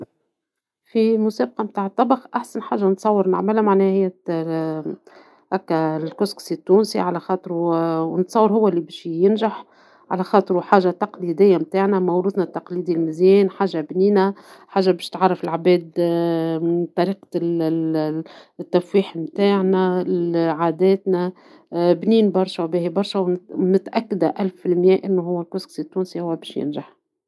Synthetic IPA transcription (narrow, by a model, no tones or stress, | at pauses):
fimʊsɛːb̚qɑmt̪aːʕət̪ˤːɑbɑxʔaħsanħaːʒːanət̪sˤɑwːəɾna̰ʕmɪlhæmaʕnɛːhhɪjːæ | ʔækːælkʊsksit̪ːuːnsḭʕalæxɑːt̪ˤɨɾwnt̪sˤɑwːəɾɦʊwːæʔlːibɛːʃjɪnʒaħ | ʕalæxɑːt̪ˤəɾwħaːʒat̪ɑqliːd̪ɪjːamt̪aːʕnæmɑwɾuːt̪nat̪ːɑqliːd̪ilmɪzjɛːnħaːʒːabniːnæ | ħaːʒːabɛːʃt̪ʕɑrˤːɑfɪlʕabɛːd̪ | t̪ˤːɑɾiːq | t̪ːæfwiːħmt̪aːʕnæ | ʕaːd̪ɛːt̪næ | bniːnbɑɾˤʃawbiːhibɑɾˤʃæwnɪt̪ʔækːad̪æʔælffɪlmjæːʔɪnːuɦʊwːælkʊsksit̪ːuːnsihʊwːæbɛːʃjɪ̰nʒaħ